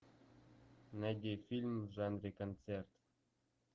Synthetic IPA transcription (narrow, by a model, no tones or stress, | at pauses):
næd̪ʲefʲilʲmʐɑnrʲekont͡sert̪